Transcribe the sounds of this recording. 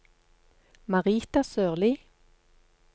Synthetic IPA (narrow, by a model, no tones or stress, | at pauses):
mɑʁiːt̪ɑsøːʁliː